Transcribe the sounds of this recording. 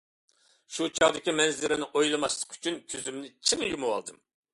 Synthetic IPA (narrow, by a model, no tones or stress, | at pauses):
ʃut͡ʃʰɑʁd̪ɪkʲimɛnzɪɾɪnɪŋʔojlˠɨmɑʃlˠə̥qʰy̥t͡ʃʰynkʲʰøzymnɪt͡ʃʰɨŋjumuwɑ̰lˠd̪ɨm